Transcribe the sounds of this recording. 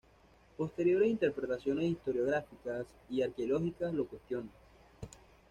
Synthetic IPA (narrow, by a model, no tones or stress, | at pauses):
po̞st̪e̞ɾjo̞ɾesint̪e̞ɾpɾe̞t̪asjo̞ne̞sist̪o̞ɾjo̞ɣɾafikas | iaɾkeolo̞xikaslo̞kwe̞st̪jo̞nd̪a